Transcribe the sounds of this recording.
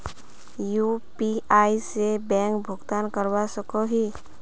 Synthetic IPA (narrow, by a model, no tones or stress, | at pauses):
juːpiaːisebɛ̃ːŋkbʱʊɡt̪aːnkəɾwasəkoɦi